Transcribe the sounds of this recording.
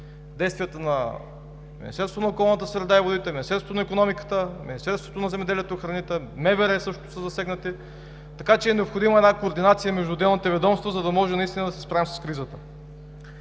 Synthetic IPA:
d̪ɛjst̪vijət̪ənɐ | minḭst̪ɛɾst̪vonɐokɔlˠnət̪əsɾɛd̪aivod̪it̪ɛminist̪ɛɾsot̪onɐikonɔmikə̥t̪əmḭnist̪ɛɾst̪vot̪onɐzɛmɛd̪ɛliɛt̪oxɾɐnit̪ɛmɛvɛɾɛsɤʃtt̪o̥səzɐsɛɡnət̪i | t̪ɐkat͡ʃɛːnɛopxod̪iməɛd̪akoːɾd̪inat̪sijəmɛʒd̪ud̪ɛlˠnit̪ɛvɛd̪ɔmst̪vozɐd̪ɐmɔʒɛnɐist̪inəd̪ɐsɛ̥spɾavimsɐ̥skɾizət̪ə

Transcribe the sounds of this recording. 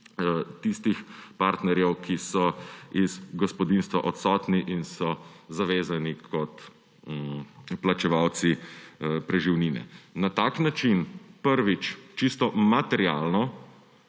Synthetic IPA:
t̪ist̪ixpaːɾt̪nɛɾjɛwkʰisɔiz̥ɡɔspɔd̪inst̪ʋa̰ʔɔt̪sɔt̪niʔinsɔzaʋeːzanikʰɔt̪ | plat͡ʃɛʋawt̪si | pɾɛʒiwniːnɛ̰nat̪aːknat͡ʃinpəɾʋit͡ʃt͡ʃist̪ɔmat̪ɛɾja̰ːlnɔ

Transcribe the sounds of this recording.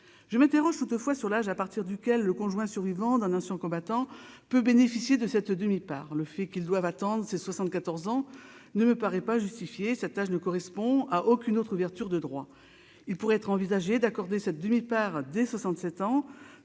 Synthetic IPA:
ʒəmɛ̃t̪eʁɔʒt̪ut̪əfwasyʁlaʒapaʁt̪iʁd̪ykʲɛlːəkɔ̃ʒwɛ̃syʁvivɑ̃d̪ɛ̃nɛ̃sɛ̃kɔ̃bat̪ɑ̃pøbenefisjed̪əsɛt̪d̪əmipa̰ːʁləfɛkild̪wavat̪ɑ̃d̪ʁəseswasɑ̃t̪̚kat̪ɔʁzɑ̃nəməpaʁɛpaʒyst̪ifjesɛt̪aʒnəkɔʁɛspɔ̃aʔokʲynot̪χuvɛʁt̪yʁd̪əd̪ʁwa | ilpuʁɛɛt̪χɑ̃vizaʒed̪akɔʁd̪esɛt̪̚d̪əmipaʁd̪ɛswasɑ̃t̪sɛt̪ɑ̃

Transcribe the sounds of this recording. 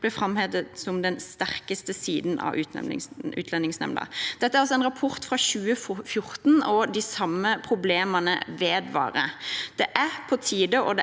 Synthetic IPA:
b̥lɛfɾɑmheːd̪əsɔmd̪ɛnst̪æʁkəst̪əsiːd̪nɑ̰ʋʉːt̪ɛ̰ʉ̰ːt̪lɛnɪŋsnɛ̰mnə̰d̪̥ɛt̪ːəæɾɑlsɔɛnɾɑpʰʊɾt̪fɾɑɕʉːəffjʊɾt̪nɔd̪ɪsɑmːəpʰɾʊbleːmənə̰ʋeːd̪ʋɑ̰ːɾəd̪̥ɛʔæɾpʰɔt̪ʰiːd̪əʔɔd̪ɛ

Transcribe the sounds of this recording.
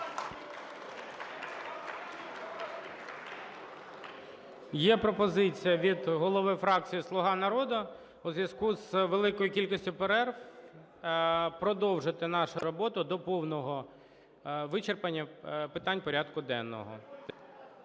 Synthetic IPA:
jɛpɾɔpɔzɪt͡sʲijɐʋʲid̪ɦɔlˠɔʋɪfɾɑk̚t͡sʲijislˠʊɦɑnɐɾɔd̪ʊ | uzʋʲjɐskuzʋelˠɪkɔjʊkʲilʲkʊsʲtʲʊpeɾɛrf | pɾɔd̪ɔwʒɪt̪ɪnɑʃʊɾɔbɔt̪ʊd̪ɔpɔwnɔɦɔ | ʋɪt͡ʃerpɐnʲːɐpɪt̪ɑnʲpɔɾʲad̪kʊd̪ɛnːɔ̰ɦɔ̰

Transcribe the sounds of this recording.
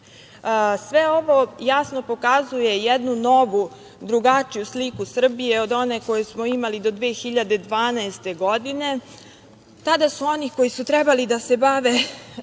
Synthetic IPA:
sʋeo̞ʋo̞jasno̞po̞kazuje̞jɛd̪nuno̞ʋu | d̪ɾuɡat͡ʂijuslikusr̩bije̞o̞d̪o̞neko̞jusmoimalid̪o̞d̪ʋeːxiʎad̪e̞d̪ʋaːnaest̪e̞ɡo̞d̪ine̞ | t̪ad̪asuo̞niko̞jisut̪ɾɛbalid̪ase̞baʋe

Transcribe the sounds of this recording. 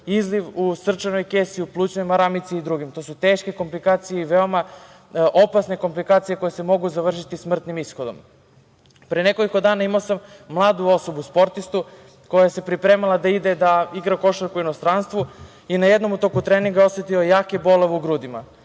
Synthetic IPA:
izliʋusr̩t͡ʃano̞jkeːsiuplˠuːt͡ɕnojmaɾamit̪siid̪ɾuɡimt̪o̞ːsut̪eːʃke̞ko̞mplikaːt̪sijeiʋeo̞ma | ʔopasne̞ko̞mplikaːt̪sije̞ko̞jese̞mo̞ɡuzaʋr̩ʃit̪ismr̩t̪nimisxo̞d̪o̞m | pɾeneko̞liko̞d̪aːnaimaosamːlˠaːd̪uo̞so̞buspo̞ɾt̪ist̪u | ko̞jajese̞pɾipɾe̞ːmalˠad̪aid̪ed̪aiɡɾako̞ʃaɾkuino̞st̪ɾanst̪ʋu | inajed̪no̞mut̪okut̪ɾeːniŋɡaeo̞sʋet̪io̞jaːkebo̞leʋeuɡɾud̪ima̰

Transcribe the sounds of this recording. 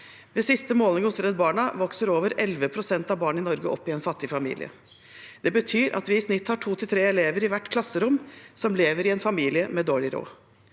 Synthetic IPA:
ʋesɪst̪əmoːlnɪŋʊsɾɛd̪bɑːɳɑʋɔksəɾoːʋəɾɛlʋəpʰɾʊsɛnt̪ɑʋbɑːɳɪnɔɾɡəʔɔpːɪɛnfɑt̪ːɪfɑmḭːlɪ̰ə̰ | d̪̥ɛbət̪ʰyːɾʔɑ̰t̪ʋɪɪsnɪt̪ːhɑʈʰuːt̪ʰɪlt̪ʰɾeːɛleːʋəɾɪʋæʈːkʰlɑsːəɾʊmːsɔmleːʋəɾɪɛnfɑmiːlɪəmɛd̪oːɭɪɾo̰ː

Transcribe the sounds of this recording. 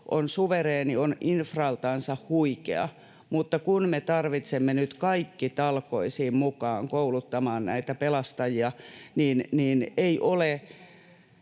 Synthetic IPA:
ʔonsuʋereːnioninfrɑlt̪ɑːnsɑhhuikḛɑ̰ | mut̪ːɑkunmet̪ɑrʋit̪semːenyt̪kɑikːit̪ɑlkoisiːmmukɑːŋkoulut̪ːɑmɑːnnæ̰it̪æpelɑst̪ɑjiɑniːnniːneiʔole

